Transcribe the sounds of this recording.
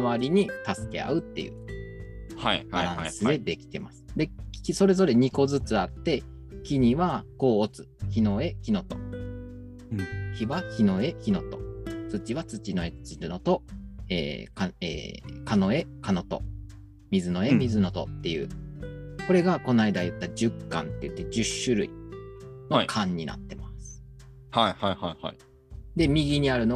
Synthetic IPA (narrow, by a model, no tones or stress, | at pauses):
aβaɾʲiɲ̟it̪asɨ̥ke̞̰a̰ɯ̟t̪ːe̞̰jɯ̟̰ | habaɾãsɨd̪e̞d̪e̞kʲi̥t̪e̞masɨ̥d̪e̞iso̞ɾe̞zo̞ɾe̞ɲ̟iko̞zɨt͡sɨat̪ːe̞ | kʲiɲ̟iβako̞ːt͡sɨ̥ | çino̞e̞çʲino̞t̪o̞ | çʲiβakʲino̞e̞çino̞t̪o̞̥̰t͡sɨt͡ɕiβat͡sɨt͡ɕinoet͡ɕinot̪o̞ḛːkaḛːkano̞e̞kano̞t̪o̰ | mʲizɨno̞emʲizɨno̞t̪o̰t̪ːe̞jɯ̟̰ː | ko̞ɾe̞ɡako̞naid̪ajɯ̟t̪ːad͡ʑɨkːã̰nt̪e̞̰jɯ̟t̪ːe̞d͡ʑɨɕːɨɾɯ̟̰ḭ | nokʰãɲ̟ːina̰t̪ːe̞masɨ̥ | haihaihaiha̰i | d̪e̞mʲiɡʲiɲ̟iaɾɯ̟no